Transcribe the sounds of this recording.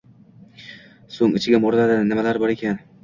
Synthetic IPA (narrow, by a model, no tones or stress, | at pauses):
soŋɪt͡ʃʰɪɡʲɪmoɾlad̪ɪnɪmalaɾbɒɾe̞kʲan